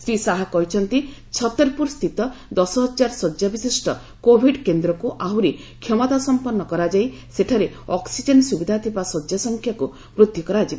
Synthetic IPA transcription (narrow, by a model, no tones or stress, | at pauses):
sɾisaɦakɔɦit͡ʃʰɔnt̪i | t͡ʃʰɔt̪ɔɾpuɾst̪ʰit̪ɔd̪ɔsɔɦɔd͡ʒaɾsɔd͡ʒjabisisʈɔ | kobʱiɖkend̪ɾɔkuʔaɦuɾi | kʰjɔmɔt̪asɔmpɔnːɔkɔɾad͡ʒaj | seʈʰaɾe | ɔksid͡ʒensubid̪ʱat̪ʰibasɔd͡ʒjasɔŋkʰjaku | bɾud̪ʱjɔkɔɾad͡ʒiba